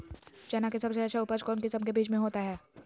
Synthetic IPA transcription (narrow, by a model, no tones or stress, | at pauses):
t͡ʃɛːnãkesɐbseɐtːʃʰaʊpəd͡ʒkɔːmkɪsɐmkebiːt͡ʃmẽɦoːt̪aɦɛː